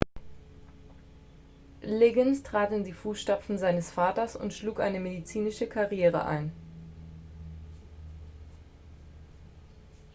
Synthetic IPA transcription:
leɡənstʁ̥aːtɪndiːfuːsʃtapp͡fn̩zaɪnəsfaːtɐsʊ̰ntʃluːkʔa̰ɪnəmedit͡siːnɪʃəkʰaʁjeːʁ̞ə̰ʔa̰ɪn

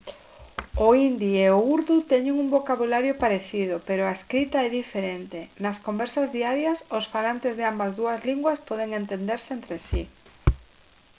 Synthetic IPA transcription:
ʊind̪ieouɾðut̪ɛɲeŋuŋmbokaβulaɾjopaɾeθið̞ʊpeɾʊaeskɾit̪aɛðifeɾent̪enaskombɛɾsazðiaɾjɐsʊsfalant̪ezðeambazðuɐzliŋɡwaspɔðeŋent̪end̪eɾseent̪ɾesi

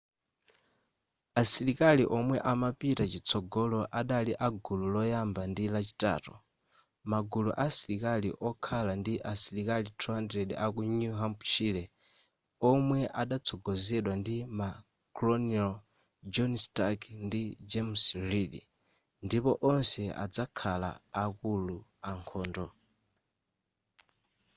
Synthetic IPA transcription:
asiɾikaliʔɔmwɛʔamapitat͡ʃit͡sʰɔɡɔlɔʔaɗaliʔaɡululɔjambandilat͡ʃi̥ta̰ːtu | maɡuluʔasiɾikaliʔɔkʰalandiʔasiɾikalitʰuɦandɾɛɗiakunuɦampt͡ʃʰilɛ | ɔmwɛʔaɗat͡sʰɔɡɔzɛɗwandima | klɔnal | d͡ʒɔnstakndid͡ʒɛmsriɗḭ | ndipɔʔɔnsɛʔa̰d͡zakʰala̰ːkuluaŋkʰɔːndɔ

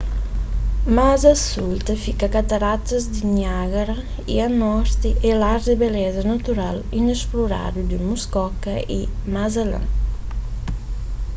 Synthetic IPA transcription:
mazasult̪afikakat̪aɾat̪azd̪iɲaɣaɾa | ianɔɾt̪iʔɛlaɾd̪ebelɛzanat̪uɾalinespluɾa̰d̪ud̪imuskɔkaḭmazalã̰

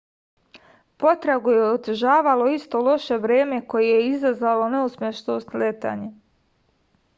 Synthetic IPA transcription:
po̞t̪ɾaɡujeot̪ʒaːʋalo̞ist̪o̞lo̞ʃe̞ʋɾe̞ːme̞ko̞jejeizazʋalo̞neusmʲjeʃno̞st̪let̪a̰ːɲe

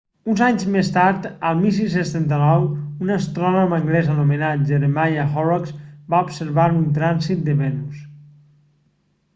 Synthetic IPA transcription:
unzaɲzmest̪aɾt̪əlˠmilˠsis̬enst̪ɛnt̪ənɔwunəst̪ɾɔnɔməŋɡlɛzənumenat̪̚ʒeɾemajaxɔɾɔksbaupseɾβaɾunt̪ɾansit̪̚d̪əβɛnus

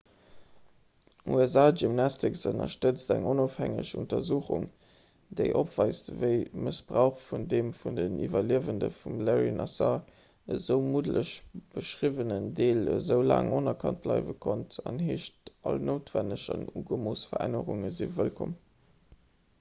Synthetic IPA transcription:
uɛzaːʒimnɑstʰiksənɐ̰ʃtət͡stæŋonoːfhæŋəɕuntɐzuːχuŋ | deɪʔopv̥ɑɪstvəɪməsb̥ʁaʊχfundeːmfundənivɐliəvəndəfumlɛʁinʔɑsɑ | əzəʊmudlʔəɕb̥əʃʁivənəndeːləzəʊla̰ːŋonɐkʰɑnt̚b̥lɑɪvəkʰontʰɑnheːʃtʔɑlnoʊtv̥ænəɕɑnuːɡəmoːsfɐʁæ̰nəʁuŋəzivəlkʰom

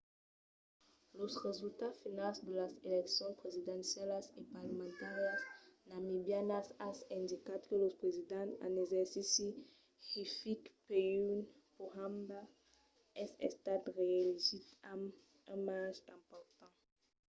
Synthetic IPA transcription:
losʁezylt̪afinalsd̪əlaseleksjɔ̃spʁezid̪ɛ̃nsjalasepaʁləmẽnt̪aʁjasnamibjanasasɛ̃nd̪ikat̪kəlospʁezid̪ãtã̰nezɛʁsisi | hifikpeun | pohãmba | ɛsḛst̪at̪ʁeelizit̪am | ə̃maʒɛ̃mpɔʁt̪ɑ̃

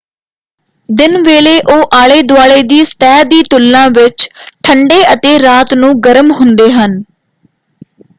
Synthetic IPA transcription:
d̪ɪnʋeːleːʔoːʔaːɭeːd̪ʊaːɭeːd̪iːst̪ɛːd̪iːt̪ʊlːãːʋɪt͡ʃʈʰəɳɖeːʔət̪eːɾaːt̪nũːɡəɾmɦʊnd̪eːɦən

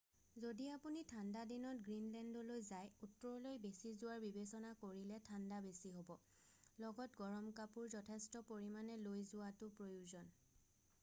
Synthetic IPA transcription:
zodiapunitʰandadinɔtɡɹinlɛndɔlojzajutːɔɹɔlojbesizʊwaɹbibesɔnakoɹilɛtʰandabesiɦobɔ | lɔɡɔtɡɔɹɔmkapuɹzɔtʰɛstɔpoɹimanɛlojzʊwatʊpɹojuzɔn

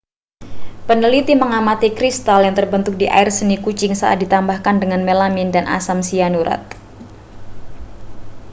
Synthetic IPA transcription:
pənəlit̪iməŋamat̪ikɾist̪aljaŋt̪ərbənt̪ʊk̚diʔa̰ɪrsənikut͡ʃɪŋsaʔa̰t̪̚dit̪ambahkandəŋanmelamɪndanʔa̰samsianuɾʔa̰t̪̚

